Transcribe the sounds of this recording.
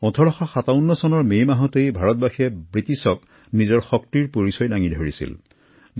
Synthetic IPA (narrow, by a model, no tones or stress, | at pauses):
ɔ̃tʰɔɹɔxaxataʊnːɔsɔnɔɹmejmaɦɔtejbʱaɹɔt̚baxʰiɛbɹitisɔk | nizɔɹxɔk̚tiɹpoɹisɔjdaŋidʱoɹḭsḭl